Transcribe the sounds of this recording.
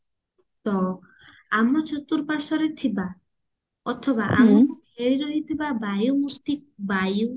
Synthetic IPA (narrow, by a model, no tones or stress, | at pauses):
sɔ | amɔt͡ʃut̪uɾpaɾsɔɾet̪ʰiba | ɔt̪ʰɔbaʔa̰mɔkubʱeɾiɾɔɦit̪ʰibabajumukt̪ibaju